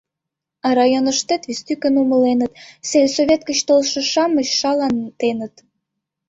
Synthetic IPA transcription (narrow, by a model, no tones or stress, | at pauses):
ɑɾɑjonəʃt̪et̪βist̪ykənuməlenət̪selʲsoβʲet̪̚kət͡ɕt̪olʃə̆ʃɑməɕʃɑlɑnt̪enət̪